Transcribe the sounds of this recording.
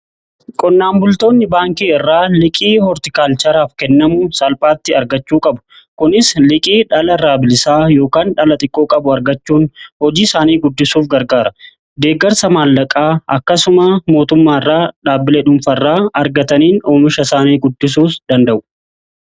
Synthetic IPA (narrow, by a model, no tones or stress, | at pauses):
kʼɔnːaːmbʊlt̪o̞ːnːɪbaːŋkiːɪrːaːlɪkʼiːhɔɾt̪ɪkaːlt͡ʃɐɾaːfkɛnːɐmʊsɐlpʼaːt̪ːɪɐɾɡɐt͡ʃːuːkʼɐbʊ̥ | kʊnɪslɪkʼiːᶑɐlɐraːbɪlɪsaːjo̞ːkaːnᶑɐlɐt̪ʼɪkʼːoːkʼɐbʊɐɾɡɐt͡ʃːuːnhɔd͡ʒiːsaːniːɡʊd̪ːɪsuːfɡɐɾɡaːɾɐ | d̪e̞ːɡɐɾsɐmaːlːɐkʼaːɐkːɐsʊmɐmo̞ːt̪ʊmːaːɪrːaːᶑaːbɪleᶑʊmfɐrːaːɐɾɡɐt̪ɐniːnoːmɪʃɐsaːniːɡʊd̪ːɪs̬uːsd̪̥ɐnd̪ɐʔʊ̥